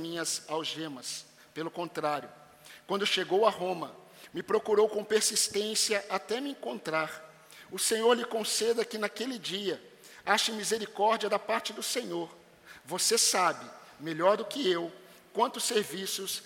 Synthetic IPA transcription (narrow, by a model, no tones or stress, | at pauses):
mĩɲɐzawʒẽmɐs | pelʊkõnt̪ɾaɾjʊ | kwɐ̃nd̪ʊʃeɡowɐɦõmɐ | mɪpɾokuɾowkõpeɾsist̪ẽsiɐʔat̪ɛmɪẽŋkõnt̪ɾaɾ | ʊsẽɲoɾlɪkõsed̪ɐkɪnakelɪd͡ʒiɐ | aʃɐmizeɾikɔɾd͡ʒiɐd̪ɐpaɾt͡ʃɪd̪ʊsẽɲoɾ | vosesabɪmeʎɔɾd̪ʊkɪew | kwɐ̃nt̪ʊseɾvisʊs